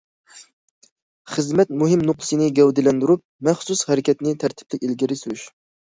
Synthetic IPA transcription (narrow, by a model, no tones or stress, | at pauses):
χəzmɛt̪muɦɪmnʊqlˠɨsɨnɪɡʲɛwd̪ɪlɛnd̪yɾup̚mɛχsushɛɾɪkʲʰɛt̪nɪt̪ʰæɾt̪ʰɪ̥p̚lɪkʲilɡʲiɾɪsyɾyʃ